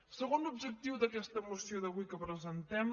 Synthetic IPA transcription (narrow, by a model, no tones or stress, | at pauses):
səɣonlubʒək̚t̪iwd̪əkɛst̪əmusioðəβujkəpɾəzənt̪ɛm